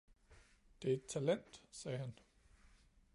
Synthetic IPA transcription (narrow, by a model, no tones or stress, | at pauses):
d̥e̝æe̝d̥̚t͡sʰælen̰d̥sɛːɦæn